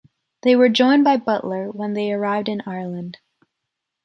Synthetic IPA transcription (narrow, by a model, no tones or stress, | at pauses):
ðeɪwə˞d͡ʒɔ̃ɪ̃nbaɪbʌʔlə˞wə̃nðeɪə˞aɪvdɨ̃naɪɹlˠə̃nd̥